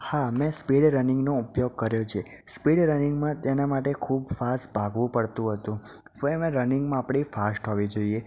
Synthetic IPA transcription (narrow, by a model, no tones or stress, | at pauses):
hamɛ̃spiɽɾənɪ̃ŋɡnoupjoɡ̚kəɾjot͡ʃʰe | spiɽɾənɪŋɡmãt̪enamaʈekʰubfast̪bʱaɡʋũpəɽt̪ũɦət̪ũ | pəemẽɾənɪŋɡmãːpɽifasʈɦoʋid͡ʒoie